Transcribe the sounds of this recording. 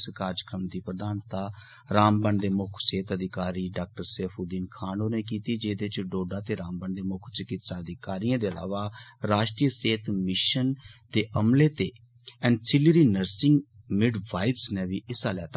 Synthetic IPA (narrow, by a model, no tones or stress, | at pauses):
skaːɾd͡ʒəkɾəmd̪iːpɾəd̪aːnt̪aː | ɾaːmbəɳd̪eːmʊkʰseːt̪əd̪ʱɪkaːɾiːɖaːk̚ʈəɾseːpʰuːd̪iːnkʰaːnoːnẽːkiːt̪iːd͡ʒeːd̪ɪt͡ʃɖoːɖaːt̪eːɾaːmbəɳd̪eːmʊkʰt͡ʃɪkɪt̪saːəd̪ɪkaːɾijãːd̪eːəla̰ːʋaːɾaːʃʈɾiːəseːt̪ʰmɪʃənd̪eːʔəmleːt̪eː | ɛ̃ːɳɖsɪliɾiːnəɾsɪ̃ŋɡ | mɪɖʋaːɪbsnẽːʋiːʔɪsaːlɛːt̪a